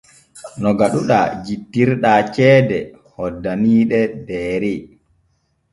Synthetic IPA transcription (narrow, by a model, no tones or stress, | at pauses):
nɔɡaɗuɗa̰d͡ʒitːiɾɗat͡ʃɛːdɛ | hɔdːaniːɗɛdɛːɾi